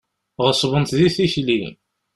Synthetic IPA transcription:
ʁəsˤvənt̪ðiθiçli

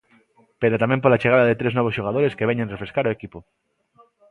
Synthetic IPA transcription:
peɾot̪amẽmp̬olat͡ʃeɣ̞aðaðet̪ɾeznɔβosʃoɣ̞aðoɾeskeβeɲẽnrefɾeskaɾoekipo

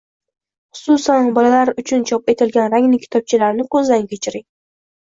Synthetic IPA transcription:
χʊ̥sʊsanbɒlalaɾʊt͡ʃʰʊnt͡ʃʰɒpe̞t̪ʰɪlɡʲanɾaŋnɪkʲʰɪ̥t̪ʰɒp̚t͡ʃʰɪlaɾnɪkʰɵzd̪aŋkʲʰet͡ʃʰɪɾɪŋ

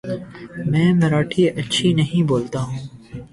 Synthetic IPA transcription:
mɛ̃ːmɐɾaːʈʰiɐtːʃʰinɐɦĩboːlt̪aɦũː

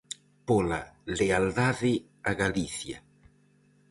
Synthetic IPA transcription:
polaleald̪aðɪ | aɣaliθja̰

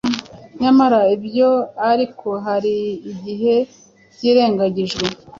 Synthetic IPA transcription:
ɲamaɾaibjo̞aɾikʰo̞ɦaɾiːɟiɦe̞ | ɟiːɾe̞ːŋɡaɟiʒɡwe̞

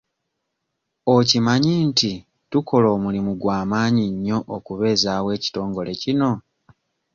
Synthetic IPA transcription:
ocimaɲinti | tukʰo̞lo̞ːmulimuɡwaːmaːɲiɲːo̞ʔokuβe̞ːzaːwe̞ːci̥to̞ːŋɡo̞le̞cino̞

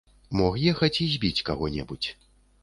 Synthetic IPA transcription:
mɔxjɛxɐt͡sʲizʲbʲit͡sʲkaɣɔnʲɛ̰but͡sʲ

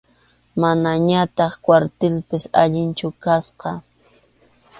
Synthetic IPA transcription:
manaɲat̪ɑχkwaɾt̪ɪlpɪsa̰ʎɪnt͡ʃʊkasqɑ

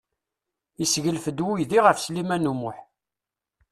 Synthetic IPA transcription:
isʝəlfəd̪wijðiʁəfslimænumʊħ

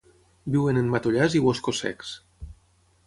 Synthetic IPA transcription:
biwenenmat̪oʎaziwoskosɛ̰ks

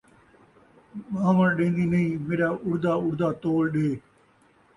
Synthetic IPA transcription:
aːʋəɗẽːnd̪iːnəĩːmeːɾaːʔʊɽd̪aːʊɽd̪aːt̪oːlɗeː

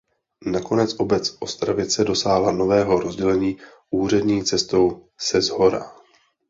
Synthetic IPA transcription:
nako̞nɛt͡sʔo̞bɛt͡sʔo̞st̪ɾavɪt͡sɛdo̞saːɦlano̞vɛːɦo̞ɾo̞zɟɛlɛɲiː | ʔuːr̝ɛdɲiːt͡sɛst̪o̞w | sɛzɦo̞ɾa̰

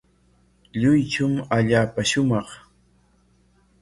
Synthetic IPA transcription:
ʎʊjt͡ʃʊmaʎaːpaʃʊmɑχ

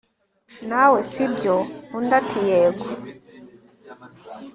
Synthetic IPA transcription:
nawɛsibjɔundatʰijɛɡɔ

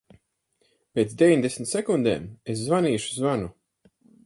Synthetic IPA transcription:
pʲet̪sd̪ʲevʲiɲʲd̪esn̩ʲt̪sɛkund̪ḛːmeszvanʲiːʃuzvanu

